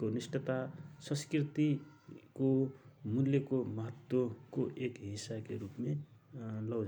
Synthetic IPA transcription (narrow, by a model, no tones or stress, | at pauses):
konisʈʌt̪asʌ̃skrit̪ikomulːjekomʌɦʌt̪wokoʔekɦisakeɾupme | lʌw